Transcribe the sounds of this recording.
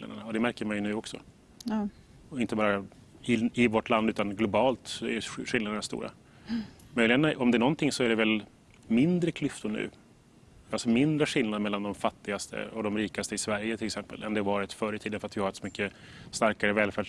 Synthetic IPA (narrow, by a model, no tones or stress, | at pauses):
na̰d̪əɳaɔd̪ɛmæɾkəɾmanjənʉ̟ːɔksɔ̰ | ɪnt̪əbɑːɾa | ɪɪvɔʈland̪ʉ̟ːt̪anɡlʊbɑːlt̪sɔɛ̰jɧɪlnad̪ənast̪ṵːɾa̰ | mœʏjlɪɡənɔmd̪ɛæːɳnɔnt̪ʰɪŋːsɔæɖɛvɛl | mɪnd̪ɾəkʰlʏft̪ʊɳʉ̟̰ː | alsɔmɪnd̪ɾəɧɪlnad̪mɛlːand̪ɔmfat̪ːɪɡast̪ʰə̰ɔd̪ɔmɾiːkast̪əɪsvæɾjət̪ʰɪlɛksɛmpə̰lɛnd̪ɛɾvɑːɾɪt̪fœːɾət̪ʰiːd̪ənfœɾat̪vɪhaɾɛt̪sɔmʏkːə | st̪aɾkaɾəvɛːlfɛː